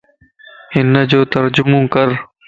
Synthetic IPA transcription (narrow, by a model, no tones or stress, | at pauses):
ɪnːəd͡ʑoːt̪əɾd͡ʑʊmũːkəɾ